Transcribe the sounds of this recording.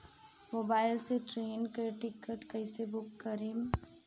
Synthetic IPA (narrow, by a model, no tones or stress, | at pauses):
moːbaːɪlseʈɾeːnkəʈɪkːəʈkɐɪsebʊkːɐɾim